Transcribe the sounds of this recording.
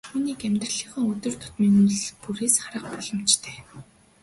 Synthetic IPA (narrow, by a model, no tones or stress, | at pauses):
t̪ʰuːniːkæmʲt̪r̆ɮiːχə̆ːŋɵt̪ɵ̆rt̪ʰʊ̥t̪miːnuɮpuɾeːsχaɾə̆χ̚pɔɮ̥ɞ̆mt͡ɕt̪ʰe̥ː